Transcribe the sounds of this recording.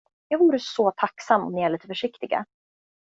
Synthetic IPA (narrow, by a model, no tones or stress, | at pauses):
jɑːɡvuːɾəsɔt̪ʰaksamːɔ̰mnɪæɭiːt̪əfœʂɪkt̪ɪɡa̰